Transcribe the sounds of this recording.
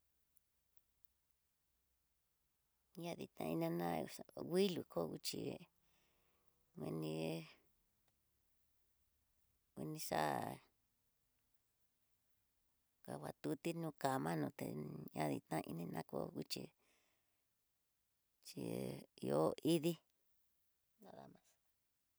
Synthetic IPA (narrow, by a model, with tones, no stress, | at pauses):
ɲã˦ði˨t̪ã̰˧i˧nã˧nã˦ɣi˦lu˨kʰo˦˨˧ɣu˦t͡ʃi˨ | mĩ˧nĩ˧ | wĩ˧nĩ˧ʂa˦ | ka˨wʷa˨t̪u˧t̪i˦nũ˦ka˨mã˦nũ˧˨t̪e˨ɲã˦ðḭ˧˨t̪ã˦ʔi˧nĩ˧nã˦ko˦ɣu˦t͡ʃḭ˨ | t͡ʃi˨˧o˦i˦ði˦ | nã˦ða˧mã˧s